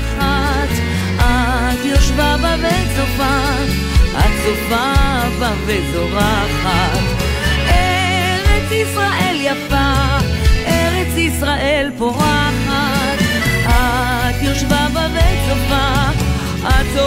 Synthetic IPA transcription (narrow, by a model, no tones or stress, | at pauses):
χa | t̪ | a | t̪joʃvabaveɛt͡sofa | a̰tofa | vavetoʁa | χat̪ | ɛ | ʁɛt͡sisʁaʔeljafa | ɛʁɛt͡sisʁaʔelpoʁaχat̪ | a | t̪joʃvabavɛtofa | ato